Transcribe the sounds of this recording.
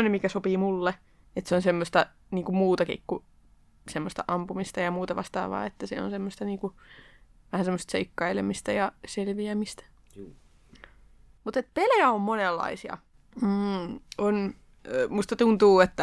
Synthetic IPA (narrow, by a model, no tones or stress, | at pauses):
onemikæsopiːmulːe | et̪seonsemːost̪ɑ | niːŋkumuːt̪ɑkḭkːu | semːost̪ɑ̰ʔɑmpumist̪ɑjɑmuːt̪ɑʋɑ̰st̪ɑ̰ːʋʋɑ̰ːet̪ːæsḛo̰nsemːost̪ɑniːŋku | ʋæhænsemːost̪seikːɑilḛmist̪æjɑselʋiæmist̪æ̥ | mut̪et̪̚peljæommonelːɑ̰isiɑ̰ | m̩on | must̪ɑt̪unt̪uːet̪ːæ